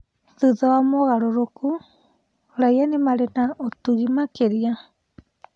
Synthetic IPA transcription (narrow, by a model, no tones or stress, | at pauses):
θɨðoamoɣaɾoɾoku | ɾajanimaɾenaot̪uɣimakeɾia